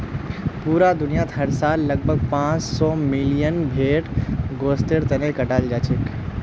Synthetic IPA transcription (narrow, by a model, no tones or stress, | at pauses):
puːɾad̪ʊnijat̪ɦɐɾsaːlːɐɡ̚bʱəɡ̚pãːt͡ʃsɔːmɪlijənbʱeːʈɡoːst̪eɾt̪ɐnekɐʈaːld͡ʒaːt͡ʃɪk